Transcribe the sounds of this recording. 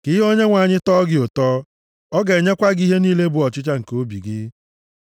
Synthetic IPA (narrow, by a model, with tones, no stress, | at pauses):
kɪ˦o˦ɲe˦ŋʷa˨ɲɪ˦tɔː˦ɡɪ˦o˨tɔː˦ | ɔ˦ɡe˨ɲe˦kʷa˦ɡi˦ɦe˦niː˦le˦bʊ˨ɔ˨t͡ʃɪ˦t͡ʃa˦ŋ̩˨ko˦bi˨ɡɪ˦